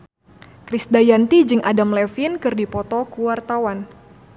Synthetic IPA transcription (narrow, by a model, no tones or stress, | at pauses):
kɾisdajant̪id͡ʒɨŋʔadamlɛfinkɨrdipɔt̪ɔkuwart̪awan